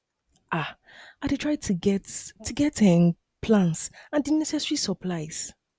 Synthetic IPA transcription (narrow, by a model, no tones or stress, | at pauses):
ʔa | aɪdɪtʰɹ̥aɪtʰuɡɛttʰːuɡɛtɛ̃m | pʰlãnsãndinɛsɛsɹisəpʰlaɪz̥